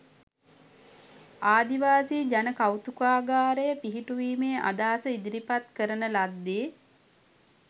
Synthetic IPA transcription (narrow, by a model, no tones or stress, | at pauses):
aːd̪iʋaːsiːd͡ʒanəkawt̪ukaːɡaːɾəjəpiɦiʈuʋiːmeːʔa̰d̪aːsəid̪iɾipat̪kəɾənəlad̪ːeː